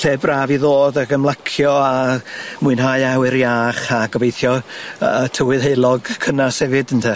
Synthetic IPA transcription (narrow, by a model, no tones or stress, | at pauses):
ɬeːbraːviðoːðəɡəmlˠakʰjɔamʊɨnɦajawɪɾjaːχaɡɔvejθjɔ | tʰəwɪðejlˠɔɡkʰənasɛvɨdəntʰɛ